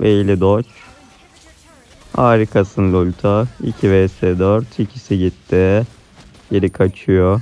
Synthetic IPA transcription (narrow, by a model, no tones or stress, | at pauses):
velʲid̪ot͡ʃ | aːɾikʰasɯnlˠulʲt̪ʰaḭcʰivɛsɛd̪øɾt̪ʰicʰisiɟit̪ːɪ | jeɾikʰat͡ʃʰɯjo